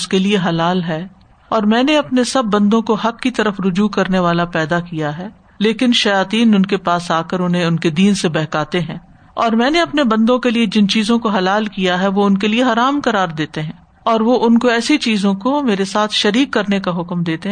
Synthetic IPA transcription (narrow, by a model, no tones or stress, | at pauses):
ʊskelieɦɐlaːlɦɛː | ɔːɾmɛ̃ːneɐpnesɐbːɐ̃nd̪õkoɦɐkːit̪ɐɾəfɾʊd͡ʒukɐɾneʋaːlapɛːd̪akijaɦɛː | leːkɪnʃɐjaːt̪iːnʊnkepaːsaːkəɾʊnɦẽʊnked̪iːnsebɛɦkaːt̪eɦɛ̃ː | ɔːɾmɛ̃ːneɐpnebɐ̃nd̪õkelied͡ʒɪnt͡ʃiːzõkoɦɐlaːlkijaɦɛʋoʊnkelieɦɐːɾaːmkɐɾaːɾd̪eːt̪eɦɛ̃ː | ɔːɾʋoʔʊnkoɛːsit͡ʃiːzõkomeːɾesaːt̪ʰʃɐɾiːkːɐɾnekaɦʊkmd̪eːt̪eɦ